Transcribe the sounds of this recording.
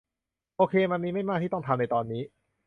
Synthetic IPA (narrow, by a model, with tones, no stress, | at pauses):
ʔoː˧kʰeː˧ma˧nmiː˧ma˥˩jmaː˥˩k̪̚ʰiː˥˩ɔ˥˩ŋt̪ʰa˧mna˧jt̪ɔː˧nːiː˦˥